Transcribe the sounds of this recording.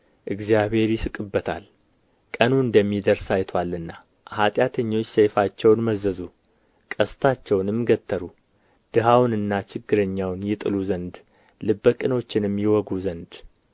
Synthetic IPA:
ʔɨɡzjaβe̞ɾjɪsɨkʼɨbːət̪ʰa̰l | kʼənuɨnd̪əmːid̪əɾsajt̪ʰwalːɨnːa | hat̪ʼjat̪ʰəɲːo̞t͡ʃːsejfat͡ʃːɛwnməzəzu | kʼəst̪ʰat͡ʃːɛwnɨmːɡət̪ʰːəɾu | d̪̥ɨɦawnɨnːat͡ʃɪɡːɨɾəɲːawnjɛt̪ʼɨluzənd̪ | lɨbːəkʼɨno̞t͡ʃːɪnɨmːjɛwɔɡuzənd̪

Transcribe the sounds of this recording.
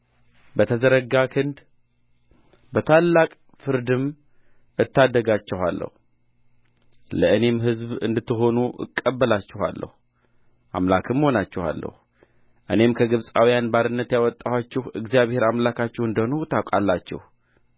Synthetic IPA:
bət̪ʰəzəɾəɡakʰɨnd̪ | bət̪ʰalːakʼ | fɨɾd̪ɨm | ɨt̪ːad̪ːəɡat͡ʃːɛɦa̰lːə̰hu | ləɨne̞mɦɨzbɨ̰nd̪ɨt̪ːɨɦo̞nuʔɨ̰kʼːəbːəlat͡ʃːɛha̰lːə̰hu | ʔa̰mlakʰɨmho̞nat͡ʃːɛha̰lːə̰hu | ʔɨ̰ne̞mkʰəɡɨβsʼawijanbaɾɨnːət̪jawɔt̪ʼːawat͡ʃːɛhɨɡzijaβhe̞ɾamlakʰat͡ʃːɛhɨnd̪əhnuwt̪ʰakʼalːat͡ʃːɛ̰h

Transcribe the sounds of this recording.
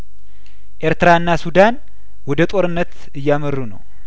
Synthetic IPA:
ʔe̞ɾt̪ɨɾaɨnːasud̪an | wɔd̪ət̪ʼo̞ɾɨnːət̪ | ɨjːamərːunə̰w

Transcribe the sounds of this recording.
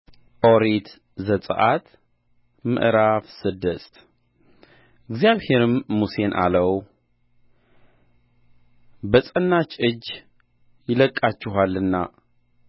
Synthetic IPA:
ʔoɾet̪ | zət̪ʼə̰ʔat̪ | mɨ̰ʔɾafsɨd̪əst̪ | ɪɡzijaβhe̞ɾɨmːuse̞nʔa̰ləw | bəsʼənːat͡ʃʼɨd͡ʒː | jɪləkʼːat͡ʃːɪɦalːɨnːa̰

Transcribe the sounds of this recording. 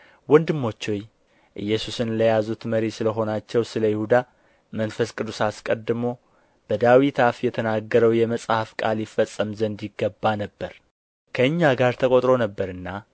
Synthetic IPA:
wɔnd̪ɨmːo̞t͡ʃːoj | ʔɨjːɛsusɨnləjazut̪məɾisɨləɦo̞nat͡ʃːɛwsɨləjɪhud̪a | mənfəskʼɨd̪ːusaskʼəd̪ɨmo̞ | b̥əd̪awit̪ʰafjɛt̪ʰənaɡːəɾəwjɛməsʼhafkʼa̰ljɪfːəsʼːəmzənd̪iɡːəbːanəbːəɾ | kʰəɨɲːaɡaɾt̪ʰəkʼo̞t̪ʼɾo̞nəbːəɾɨnːa

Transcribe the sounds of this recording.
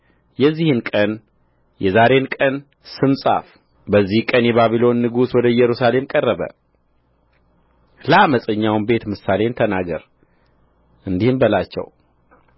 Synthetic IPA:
jɛzːihɨnkʼən | jɛzaɾe̞nkʼən | sɨmsʼa̰f | bəzːihkʼənjɛβaβilo̞nːɨɡuswɔd̪əjɛɾusale̞mkʼərːəβə̰ | ləaməsʼəɲːawnbe̞t̪mɨsale̞nt̪ʰənaɡə̰ɾ | ʔɨnd̪ihɨmbəlat͡ʃːɛ̰w

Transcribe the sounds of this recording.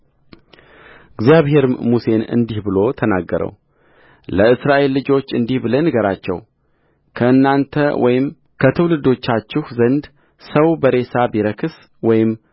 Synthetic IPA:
ɨɡzjaβhe̞ɾɨmmuse̞nɨ̰nd̪ihbɨlo̞t̪ʰənaɡːəɾə̰w | ləɨsɾaʔe̞lːɨd͡ʒo̞t͡ʃːɨnd̪ihbɨlənɨɡəɾat͡ʃːɛ̰w | kʰəʔɨnːant̪ʰəwʔɔ̰jɪm | kʰət̪ʰɨwlɨd̪o̞t͡ʃːat͡ʃːɪhzənd̪ | səwbəɾe̞sabiɾəkʰɨs | wɔjɪm

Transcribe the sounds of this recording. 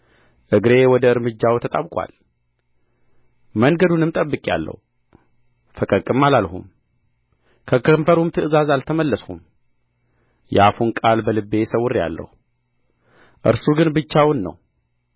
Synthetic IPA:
ʔɨɡɾe̞wɔd̪əɨɾmɨd͡ʒːawt̪ʰət̪ʼaβkʼwa̰l | məŋɡəd̪unɨmt̪ʼəbːɨkʼja̰lːə̰h | fəkʼəkʼːɨmalalhṵm | kʰəkʰəmfəɾumt̪ʰɨʔɨzazalt̪ʰəməlːəshum | jɛafunkʼalbəlɨbːe̞səwʊɾːja̰lːə̰hu | ʔɨ̰ɾsuɡɨnbɨt͡ʃːawʊnːə̰w

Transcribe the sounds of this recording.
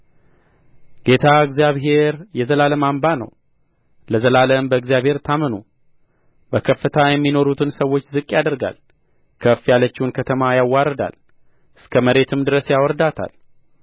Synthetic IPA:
ɡ̥e̞t̪ʰaɨɡzijaβɦe̞ɾjɛzəlaləmambanə̰w | ləzəlaləmbəɨɡzjaβhe̞ɾt̪ʰamənṵ | bəkʰəfːɨt̪ʰajɛmːino̞ɾut̪ʰɨnsəwːo̞t͡ʃːzɨkʼːjad̪əɾɡa̰l | kʰəfjalət͡ʃːɪwunkʰət̪ʰəmajawːaɾəd̪a̰l | ʔɨskʰəməɾe̞t̪ʰɨmd̪ɨɾəsjawɔɾd̪at̪ʰa̰l

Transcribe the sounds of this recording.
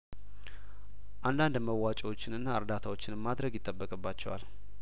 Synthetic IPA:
ʔand̪and̪məwːat͡ʃʼɛwo̞t͡ʃːɪnɨnːaɨɾd̪at̪ʰawo̞t͡ʃːɪnmad̪ɾəɡjɪt̪ʼːəbːəkʼɨbːat͡ʃːɛwa̰l

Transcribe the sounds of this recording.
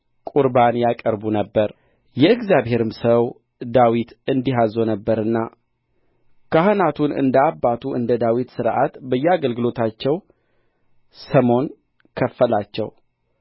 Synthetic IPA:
kʼuɾbanjakʼəɾbunəbːəɾ | jɛɨɡzjaβɦe̞ɾɨmsəw | d̪awit̪ɨnd̪iɦazːo̞nəbːəɾɨnːa | kʰahɨnat̪ʰunɨ̰nd̪əabːat̪ʰuʔɨ̰nd̪əd̪awit̪sɨɾʔat̪bəjːɛaɡəlɡɨlo̞t̪ʰat͡ʃːɛw | səmo̞n | kʰəfːəlat͡ʃːɛ̰w

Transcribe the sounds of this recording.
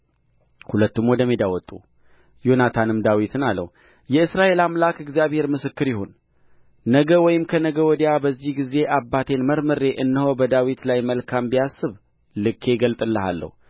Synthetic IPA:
hulət̪ːumwɔd̪əmid̪awɔt̪ʼːu | jo̞nat̪ʰanɨmd̪awit̪ʰɨnalːə̰h | jɛɨsɾaʔe̞lamlakɨɡzjaβhe̞ɾmɨsɨkːɨɾjɪɦo̞nː | əɡəwɔjɪmkʰənəɡəwɔd̪jabəzːihɡize̞ʔabːat̪ʰe̞nməɾmɨɾe̞ʔɨnːəhobəd̪awit̪lajməlkʰambijasːɨβ | lɨkʰːe̞ɡəlt̪ʼɨlːəha̰lːə̰hu

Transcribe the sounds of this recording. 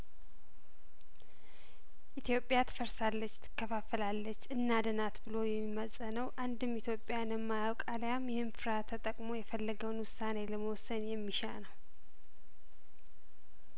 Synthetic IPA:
ʔit̪ʰjo̞pʼjat̪ʰɨ̥fəɾsalːət͡ʃːt̪ʰɨ̥kːəfafːəlalːət͡ʃːɨnːad̪ənat̪bɨlo̞jɛmːiməsʼənəwʔand̪ɨmit̪ʰjo̞pʼjanɛmːajawkʼalajamjɛhɨnfɨɾat̪ʰət̪ʼəkʼmo̞jɛfəlːəɡəwnwʊsːane̞ləməwɔsənjɛmːiʃa̰nəw

